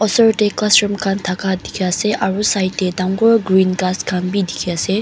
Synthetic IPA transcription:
ɔsɔɹteklasɹɔmkʰant̪ʰakʰad̪ikʰiaseʔaɹusajtːed̪aŋɡɔɹɡɹinɡaskʰanbid̪ikʰiase

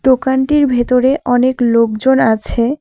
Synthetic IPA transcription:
d̪̥okanʈiɾbʱet̪oɾeʔɔneklok̚d͡ʑonat͡ɕʰe

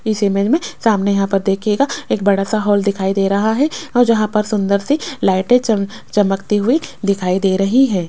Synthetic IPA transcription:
ɪsemẽd͡ʒmẽsaːmnejɐɦãpɐɾd̪eːkʰeːɡaeːk̚bɐɽasaɦɔːld̪ɪkʰaːid̪eːɾɐɦaɦɛɔːɾd͡ʒɐɦãpɐɾsʊ̃nd̪əɾselaːɪʈet͡ʃ | t͡ʃɐməkt̪iɦʊid̪ɪkʰaːid̪eːɾɐɦiɦɛ̃ː

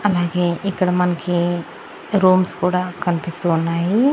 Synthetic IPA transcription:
ɐlaːɡeːikːɐɽɐmɐnɐki | ɾoːmskuːɽaːkɐnipist̪uːnːaːji

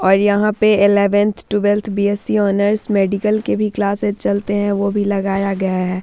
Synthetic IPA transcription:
ɔːɾjɐɦãpeɪlɛːʋə̃nt̪ʰʈubɛlt̪ʰbieːsiɔːnəɾsmɛːɖɪkəlkebʱiklaːsezt͡ʃɐlt̪eɦɛ̃ʋobʱilɐɡaːjaɡɐjaɦɛː

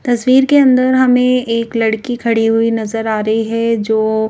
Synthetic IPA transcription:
t̪ɐsʋiːɾkeɐ̃nd̪əɾɦɐmẽeːklɐɽkikʰɐɽiɦʊinɐzəɾaːɾɐɦiɦɛd͡ʒoː

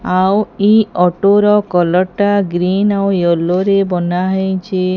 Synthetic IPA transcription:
awiɔʈoɾɔkɔlɔʈaɡɾinawjoloɾebɔnaɦejt͡ʃe

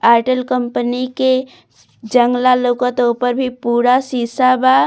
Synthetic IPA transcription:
aɪʈəlkəmpənike | d͡ʒəŋɡlalokət̪opəɾbʱipuːɽasisaba

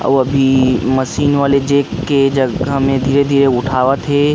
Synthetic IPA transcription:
ɐ̰ʋɐbʱimɐsiːnʋaːled͡ʒeːkːed͡ʒɐamẽd̪ʱiːɾed̪ʱiːɾeʊʈʰaːʋat̪ʰe

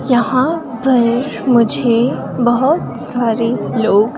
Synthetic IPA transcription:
jɐɦã | bɐɾ | mʊd͡ʒʱe | bɐɦʊt̪saːɾeloːɡ

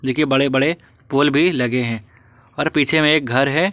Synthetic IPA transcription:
d͡ʒɪkebɐɽebɐɽe | poːlbʱilɐɡeɦɛ̃ː | ɔːɾpiːt͡ʃʰemẽeːk̚ɡʱɐɾɦɛː

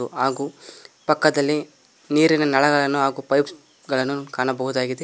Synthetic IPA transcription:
uaːɡuːpɐkːɐd̪ɐlːi | niːɾinɐnɐɭɐɡɐɭɐnːuɦaːɡuːpɐjps | ɡɐɭɐnːukaːɳɐbɐɦud̪aːɡid̪e

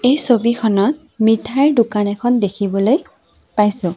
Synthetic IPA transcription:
ejsobikʰɔnɔt̚ | mitʰaɹdʊkanɛkʰɔndekʰibɔloj | pajsʊ̃

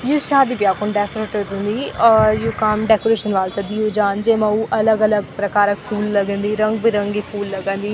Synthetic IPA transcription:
juːʃaːd̪iːbjaːkonɖɛːkoɾeːʈəə̃nd̪iːɔːjuːkəmɖɛːkoːɾeːʃənʋaːlt̪ɐd̪iːod͡ʒaːnd͡ʒeːmãːuːʔələɡələɡpɾəkaːɾək̚pʰuːlːəɡə̃nd̪iːɾəŋɡ̚biɾəŋɡiːpʰuːlːəɡə̃nd̪iː

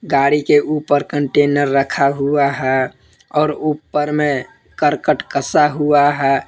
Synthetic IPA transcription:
ɡaɽikeʔupəɾkəɳʈenəɾːəkʰaɦuaɦɛ | ɔːɾupːəɾme | kəɾkəʈkəsaɦuaɦɛ

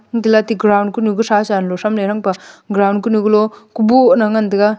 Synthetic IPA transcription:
ŋd̪ilat̪iɡɾawnkunuɡusasanlosamleɾɐŋpɐɡɾawnkunuɡulokubunɐŋɐnd̪ɐɡa

